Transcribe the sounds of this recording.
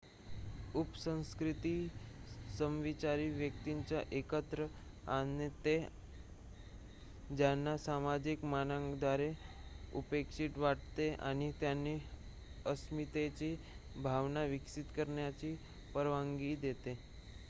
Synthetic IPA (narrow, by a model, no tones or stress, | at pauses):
upsə̃w̃skɾit̪iː | səmʋit͡ɕaɾiːʋjək̚t̪iɲt͡saʔekət̪ɾə | anet̪e | d͡ʑjanːasamad͡ʑikmanaŋɡd̪aɾeṵpekʂiːʈʋaʈ̚t̪eʔa̰ɽ̃it̪janːiː | əsmit̪et͡ɕiː | bʱaʋnaʋiksit̪kəɾɳjat͡ɕiː | pəɾʋaŋɡiːd̪et̪e